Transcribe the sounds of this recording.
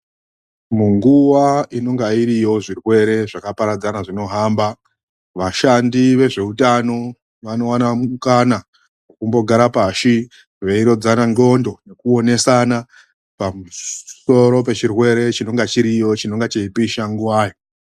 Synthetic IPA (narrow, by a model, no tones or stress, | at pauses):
muŋɡuʋaino̞ŋɡaiɾijo̞ʐirwe̞ɾe̞ʐakapaɾad͡zanaʐino̞ɦamba | ʋaʃandiʋe̞ʐe̞utano̞ | ʋano̞wanamuukana | wokumbo̞ɡʱaɾapaʃi | ʋeiɾo̞d͡zanaŋɡo̞ndo̞ne̞kuo̞ne̞sana | pamuso̞ɾo̞p̬e̞t͡ʃirwe̞ɾe̞t͡ʃino̞ŋɡat͡ʃiɾijo̞t͡ʃino̞ŋɡat͡ʃeipiʃaŋɡuwaːjo